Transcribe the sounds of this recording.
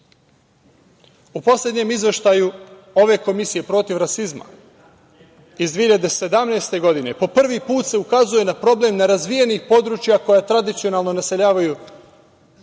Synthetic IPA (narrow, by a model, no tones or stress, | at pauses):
upo̞slʲe̞d̪ɲe̞mizʋe̞ʃt̪aju | o̞ʋe̞ko̞misije̞pɾo̞t̪iʋɾasizma̰ | izd̪ʋiːiʎad̪e̞se̞d̪amnast̪e̞ɡo̞d̪ine̞po̞pr̩ʋipuːt̪se̞ukazuje̞napɾo̞ble̞mneɾazʋije̞nixpo̞d̪ɾut͡ʃjako̞jat̪ɾad̪it̪sio̞nalˠno̞nase̞ʎaːʋaju